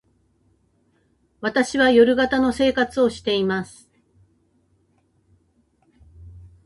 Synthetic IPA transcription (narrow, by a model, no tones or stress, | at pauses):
βat̪aɕiβajo̞ɾɯ̟ɡat̪ano̞se̞ːkat͡sɨo̞ɕi̥t̪e̞imasɨ̥